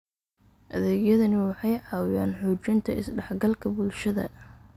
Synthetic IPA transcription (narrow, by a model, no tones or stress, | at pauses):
ʔɐðɛːɡjɐðɐnɪwɑħɑjʕɑːwjaːnħuːt͡ʃɪnt̪ʰɐɪsɖɐħɡɐlkʰɐbʊlʃɐðɐ̰